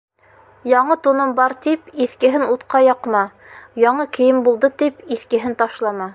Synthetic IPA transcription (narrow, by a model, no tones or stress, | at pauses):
jɑɴɤt̪unɤmbɑɾt̪ipiθkɘ̆ɦɘnut̪qɑjɑqmɑ | jɑɴɤkɘ̆jɘmbulˠd̪ɤt̪ipiθkɘ̆ɦɘnt̪ɑʃlˠɑmɑ